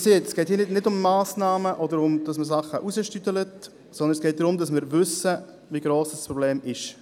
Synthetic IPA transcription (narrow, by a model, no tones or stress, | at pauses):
seːtɛsɡ̥ɛːthiːnɪtnɪdʊmːaːsnɑːməʔɔdəɾʊmd̥ɑsməsɑχəʔusəʃtytələt | sɔndənsɡ̥ɛːt̚d̪ɾʊmdɑsmɪːɾʋʏsə | viɡɾoːsd̥ɑspɾɔbleːmɪʃ